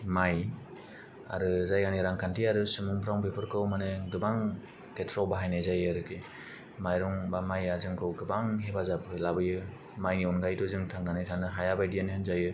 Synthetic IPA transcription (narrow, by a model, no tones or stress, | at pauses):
maj | a̰ɾɯzajɡaniɾaŋkʰantʰiaɾɯsumuŋpʰɾawŋbepʰɯɾkʰɯwmanɯɡɯbaŋ | ketʰɾɔbaɦajnajzajɯaɾɯke | majɾɔŋbamajazɯŋkʰɯwɡɯbaŋɦebazapʰɯlabɯjɯ | majniɔnɡajdɔzɯŋtʰaŋnanijtʰaŋnɯɦajabajdianihɯnzajɯ